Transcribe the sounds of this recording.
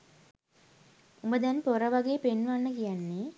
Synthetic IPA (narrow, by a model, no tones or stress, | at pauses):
umbəd̪ɛnpoɾəʋaɡeːpenʋanːəkijanːe